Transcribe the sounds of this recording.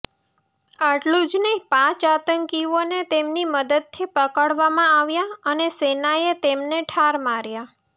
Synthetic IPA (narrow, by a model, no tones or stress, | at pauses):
aʈlũd͡ʒnəĩpãt͡ʃat̪əŋkionet̪emniməd̪əd̪̚t̪ʰipəkaɽʋamãaʋjaənesenaet̪emneʈʰaɾmaɾja